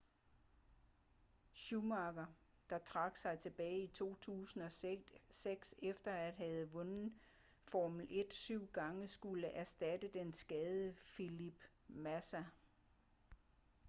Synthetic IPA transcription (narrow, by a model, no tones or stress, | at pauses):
ɕumɑ̈ɡ̥ɐ | d̥ɑ̈t͡sʰʁɑ̈ɡ̥sɑ̈ɪt͡sʰe̝b̥ɛːɪit͡sʰo̝̰ːt͡sʰṵːsn̩ɒ̽seɡ̥sefd̥ɐæd̥ɦæð̞̩ˠʋɔ̽nn̩ | fɒːml̩ʔe̝d̥syʊ̰ɡ̥ɑ̈ŋəsɡ̥uləʔæɐsd̥æd̥əd̥ensɡ̥ɛːðˠəfilib̥ | mæsæ